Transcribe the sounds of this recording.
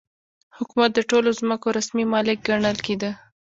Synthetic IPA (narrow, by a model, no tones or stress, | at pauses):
hʊkumat̪̚d̪əʈolozməkoɾasmimɑlɪk̚ɡaɳəlked̪ə